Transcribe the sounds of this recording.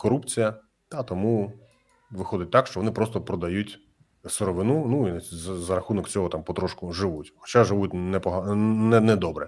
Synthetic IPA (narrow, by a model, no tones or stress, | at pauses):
kɔɾupt͡sʲijɐ | t̪at̪ɔmu | ʋɪxɔd̪ɪt̚ʲt̪ɑkʃt͡ʃɔʋɔnɪpɾɔst̪ɔpɾɔd̪ɐjutʲ | sɪɾɔʋɪnunuinzzɐɾɐxunɔkt͡sʲɔɦɔt̪ampɔt̪ɾɔʃkʊʒɪʋutʲxɔ̥t͡ʃaʒɪʋut̚ʲnɛpɔɦɑnɛnɛd̪ɔbɾɛ